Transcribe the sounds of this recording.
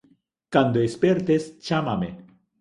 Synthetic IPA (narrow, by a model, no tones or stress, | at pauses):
kand̪oespeɾt̪est͡ʃamamḛ